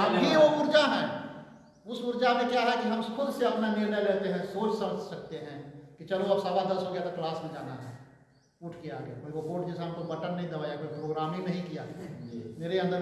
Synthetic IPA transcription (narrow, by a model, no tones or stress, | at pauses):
ɦɐmɦiʋoʊɾd͡ʒaɦɛ̃ | ʊsʊɾd͡ʒamẽkjaɾɐɦakiɦɐmkʰʊd̪seɐpnanenəjleːt̪eɦɛ̃soːt͡ʃsɐməd͡ʒʱsɐk̚t̪eɦɛ̃ːkit͡ʃɐloɐbsɐbad̪ɐlsoɡjat̪aklaːsbĩd͡ʒaːna̰ɦɛ̰ | ʊʈʰkea̰ːɡḛkːiʋokoːʈ̚d͡ʒɛsaɦɐmt̪obəʈənːɐɦĩd̪ɐʋaːjakoːipɾoːɡɾaːmĩnɐɦĩkija̰ːmeːɾeɐ̃nd̪əɾ